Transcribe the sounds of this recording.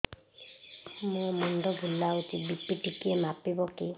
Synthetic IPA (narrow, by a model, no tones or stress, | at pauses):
mumɔɳɖɔbʱulːaut̪ibipiʈikiemapibɔki